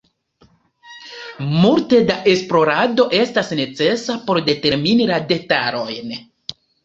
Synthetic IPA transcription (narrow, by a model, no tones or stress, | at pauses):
multe̞daʔe̞splo̞ɾado̞ʔe̞stasne̞t͡se̞sapo̞ɾde̞te̞ɾminilade̞taɾo̞jn